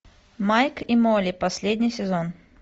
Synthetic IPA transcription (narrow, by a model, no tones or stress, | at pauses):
majkimolʲɪpɐsʲlʲed̪ʲnʲɪjsʲɪzon